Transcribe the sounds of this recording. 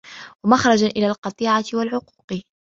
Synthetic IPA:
wamaxɾˤɑd͡ʒaʔɪlaːlqɑt̪ˤiːʕawalʕʊqu̥ːq

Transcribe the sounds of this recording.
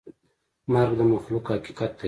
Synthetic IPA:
maɾɡd̪əmaxlukhaki̥qat̪̚d̪a

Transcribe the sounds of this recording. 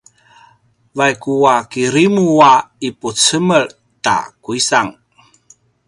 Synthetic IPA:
vajkuakiɾimuaiput͡səməɭ | ta̰kuisaŋ

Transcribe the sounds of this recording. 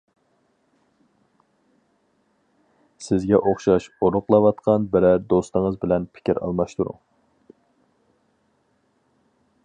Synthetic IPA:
sɪzɡʲɛʔoχʃɑʃoɾʊqlˠɑwɑt̪qʰɑnbɪɾɛɾd̪ost̪əŋəzbɪlɛnpʰɪ̥kʲiɾɑ̰lˠmɑʃt̪uɾʊ̰ŋ

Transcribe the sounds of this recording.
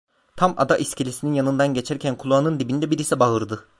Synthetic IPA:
t̪ʰama̰d̪aʔiscilʲisininjanɯnd̪anɟe̞t͡ʃʰæɾcʰænkʰulˠuanɯnd̪ibind̪ɛbiɾisɛbaɦɯɾd̪ɯ

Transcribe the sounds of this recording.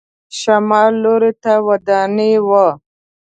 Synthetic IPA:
ʃamɑːlːoɾit̪awad̪ɑniwa

